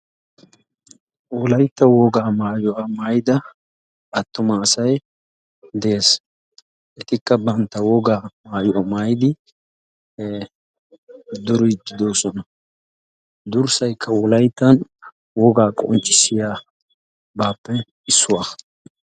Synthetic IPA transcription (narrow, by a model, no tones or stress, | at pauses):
wɔlɐjt̪ːɐwɔɡaːmaːjʊʔɐmaːjd̪ɐ | ʔɐt̪ːʊmɐːsɐj | d̪ɛʔe̞ːs | ʔɛt̪ɪkːɐbɐnt̪ːɐwɔɡaːmaːjʊʔɐmaːjd̪ɪ | d̪ʊɾʊd̪ːɪd̪oːsɔnɐ | d̪ʊɾsɐjkʰːɐwɔlɐjt̪ːɐn | wɔɡaːkʼɔ̰nt͡ʃʼːɪsɪjaː | baːpːɛ | ɪsːʊwaː